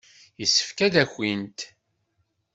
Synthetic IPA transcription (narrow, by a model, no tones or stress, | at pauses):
jəsːə̥fkæðæçʷːint̪